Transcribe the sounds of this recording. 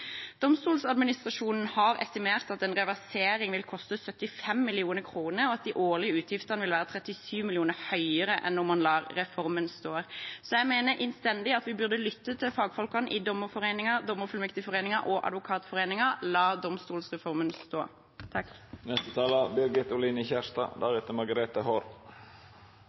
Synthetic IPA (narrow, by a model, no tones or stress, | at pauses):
d̪̥ɔmst̪uːlsɑd̪mɪnɪst̪ʁɑʃuːnn̩hɑɾɛ̰st̪ɪmeːʁt̪ɑt̪ɛnʁɛʋæʁseːɾɪŋʋɪlkʰɔst̪əsœt̪ːɪfɛmːɪlɪuːnəkʰʁuːnəɾɔɑt̪̚d̪iːʔoːʁlɪəʉːt̪ʰjɪft̪əʁnʋɪlʋæːʁət̪ʰɾɛt̪ɪsyːʋmɪlɪuːnəhœʏəɾəʔɛ̰nːʊmːɑnlɑːɾɾɛfɔɾmənst̪oːsɔjæɪmeːnəʔɪnst̪ɛnd̪ɪɑt̪ʋɪbʉʁd̪əlʏt̪ːət̪ʰɪlfɑːɡfɔlkɑnʔɪd̪ɔmːəɾfɔʁeːnɪŋɑd̪ɔməfʉlmɛkt̪ɪfɔʁeːnɪŋɑʔɔʔɑ̰d̪ʋʊkʰɑːt̪fɔʁeːnɪŋɑlɑːd̪ɔmst̪uːlsʁɛfɔɾmənst̪oː | t̪ʰɑk | nɛst̪ət̪ʰɑːləbɪɾɡɪt̪ʊlinəçæʂt̪ɑ̰ːd̪æɾet̪əmɑɾɡɑɾeːt̪əhoːɾ